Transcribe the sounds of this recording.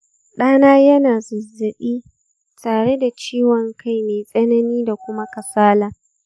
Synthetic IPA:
ɗaː˦naː˦jɐ˦naː˨zʊ˨zːɪ˨ɓiː˦ | taː˨ɽe˦da˨t͡ʃiː˦wɔ˨ŋkʰa˦˨jmeː˨sʼɐ˦nɐ˦niː˦da˨kʷʊ˦ma˦kɐ˨saː˦laː˨

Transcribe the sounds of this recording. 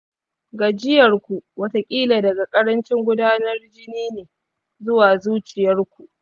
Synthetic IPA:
ɡaː˨d͡ʒɪ˦jɐ˨rkʷu˨wɐ˦ta˦kʲʼiː˦laː˨dɐ˨ɡa˨kʼɐ˦ɾɐ˦nt͡ʃɪ˦ŋɡʷʊ˦daː˦nɐ˦rd͡ʒɪ˦niː˦neː˨ | zʊ˦waː˨zuː˦t͡ʃɪ˨jɐ˦rkʷu˨ʔ

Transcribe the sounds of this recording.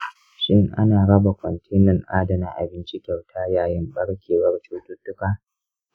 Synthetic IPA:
ʃɪ˦ŋʔa̰˦naː˨ɽɐ˦ba˨kʷɔ˨ntʰeː˦nɪ˨ŋʔaː˦dɐ˨naː˦ʔa̰˨bɪ˦nt͡ʃɪ˦kʲɛ˨wtʰaː˦jaː˨jɪ˦mɓɐ˦ɽkʲeː˨wɐ˦rt͡ʃoː˦tʊ˦tːʊ˦kaː˦

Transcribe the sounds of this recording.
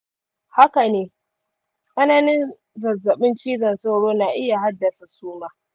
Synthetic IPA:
ha˦ka˨neː˦ | sʼɐ˦na˦nɪ˦n | zɐ˨zːɐ˨ɓɪ˦nt͡ʃiː˦zɐ˨nsa˦wɽoː˦naː˨ʔɪ˦ja˨ɦa˦dːɐ˨sa˨suː˦maː˦

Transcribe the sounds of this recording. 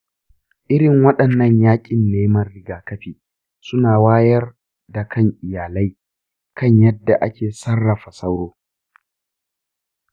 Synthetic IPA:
ʔɪ˦ɾɪ˨ŋwɐ˦ɗɐ˨nːɐ˦ɲjaː˦kʲʼɪ˨nːeː˦mɐ˦rːɪ˨ɡaː˨kɐ˦ɸiː˨ | sʊ˦naː˨waː˦jɐ˦r | da˨kʰɐ˦ŋʔɪ˨jaː˨lɐ˦j | kʰɐ˦ɲjɐ˦dːa˨ʔa˦kʲeː˨sɐ˦rːɐ˨ɸa˨sɐ˦wɽoː˦

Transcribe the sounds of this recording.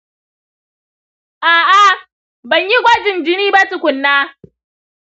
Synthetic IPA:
ʔaː˨ʔa˦ | bɐ˨ɲji˦ɡʷɐ˦d͡ʒɪ˨nd͡ʒɪ˦niː˦ba˦tʊ˨kʷʊ˨nːaː˦

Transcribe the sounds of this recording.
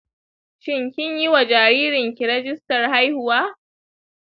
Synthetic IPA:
ʃɪ˦ŋkʲɪ˦ɲji˦wa˨d͡ʒaː˨ɾiː˦ɾɪ˨ŋkʲi˨ɾɛ˦d͡ʒɪ˦stɐ˨rha˦jhʊ˨waː˦

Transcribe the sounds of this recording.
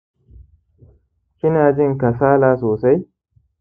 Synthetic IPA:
kʲɪ˦naː˨d͡ʒɪ˦ŋkɐ˨saː˦laː˨soː˨sa˦j

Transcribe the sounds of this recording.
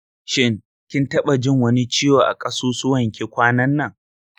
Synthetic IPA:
ʃɪ˦ŋ | kʲɪ˦ntɐ˦ɓa˨d͡ʒɪ˦ŋwɐ˦ni˦t͡ʃiː˦joː˨ʔa̰˨kʼɐ˦suː˦sʊ˦wɐ˨ŋkʲe˦kʷaː˦nɐ˦nːɐ˨ŋ

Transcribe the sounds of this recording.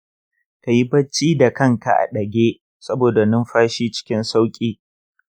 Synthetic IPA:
ka˨ji˦bɐ˦t͡ʃːiː˦da˨kɐ˦˨ŋka̰˨ʔa̰˨ɗɐ˨ɡʲeː˦ | sɐ˦boː˨da˨nʊ˦mɸaː˦ʃiː˦t͡ʃɪ̥˦kʲɪ˦nsa˦wkʲʼiː˦

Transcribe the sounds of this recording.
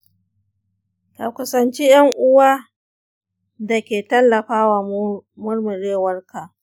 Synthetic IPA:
ka˨kʷʊ˨sɐ˨nt͡ʃi˦jɐ˦ŋʔʊ˦waː˦ | da˨kʲeː˨tɐ˦lːɐ˨ɸaː˦waː˨mʊ˦rmʊ˨ɾeː˦wɐ˦rka˨

